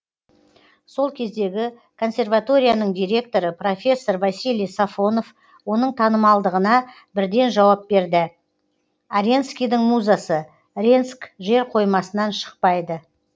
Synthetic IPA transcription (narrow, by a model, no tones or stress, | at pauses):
so̞lˠkʲʰe̞zd̪e̞ɡʲɪ | kʰo̞nsʲe̞rvat̪o̞ɾʲijanəɴd̪ʲiɾʲe̞k̚t̪o̞ɾəpro̞fʲe̞sːo̞rvasilʲˠijsafo̞no̞f | wo̞nəɴt̪ʰɑnəmɑlˠd̪əʁənɑ | bɪɾd̪e̞nʒɑwɑp̚be̞ɾd̪ɪ | aɾʲenskʲijd̪əɴmuzasə | ɾʲenskʒe̞ɾqʰo̞jmɑsənɑnʃə̥q̚pɑjd̪ə